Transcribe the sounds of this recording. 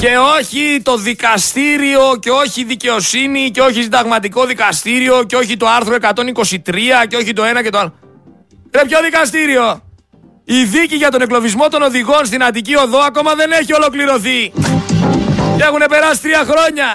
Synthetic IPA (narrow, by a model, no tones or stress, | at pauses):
ce̞o̞çit̪o̞ðikɐst̪iɾio̞ce̞o̞çiðice̞o̞siniceo̞çisind̪ɐɣmɐt̪iko̞ðikɐst̪iɾio̞ceo̞çit̪o̞ɐɾθɾo̞e̞kɐt̪o̞niko̞sit̪ɾiɐceo̞çit̪o̞e̞nɐce̞t̪oalo | ɾepço̞ðikɐst̪iɾio̞ | iðiciʝɐt̪o̞ne̞klo̞vizmo̞t̪o̞no̞ðiɣo̞nst̪inɐt̪icio̞ðo̞ɐko̞mɐðe̞neçio̞lo̞kliɾo̞θi | ce̞xune̞pe̞ɾɐsi̥t̪ɾiɐxɾo̞ɲɐ